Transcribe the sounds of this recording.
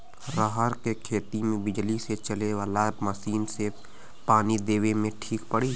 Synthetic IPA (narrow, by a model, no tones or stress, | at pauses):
ɾəɦəɾkekʰeːt̪imẽbɪd͡ʒliset͡ʃəleʋaːlaməsiːnse | paːnid̪eːʋemẽʈʰiːkpəɽi